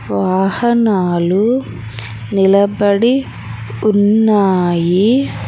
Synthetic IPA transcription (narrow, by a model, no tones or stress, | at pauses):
ʋaːhɐnaːlu | nilɐbɐɽi | unːaːji